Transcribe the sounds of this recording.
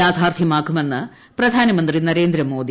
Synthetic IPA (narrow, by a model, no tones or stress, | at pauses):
aːd̪ʱaːrt̪ʰjɐmaːkːume̞nːɨ | prɐd̪ʱaːnɐmɐnd̪rinɐɾe̞ːnd̪ɾɐmo̞ːd̪i